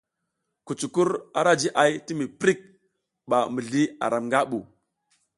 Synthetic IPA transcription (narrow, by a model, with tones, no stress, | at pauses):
ku˨t͡ʃu˨ku˦ɾa̰˨ɾa˦d͡ʒi˦ʔa˨jti˦mi˨pɾi˦k̚ | ɓa˨mi˨ɮi˦a̰˨ɾa˨mŋɡa˦ɓu˨